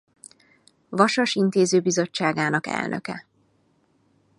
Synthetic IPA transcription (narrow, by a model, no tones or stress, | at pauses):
ʋɒʃɒʃint̪eːzøːbizo̞t͡ʃːaːɡaːnɒkɛ̰lnʔø̰kɛ̰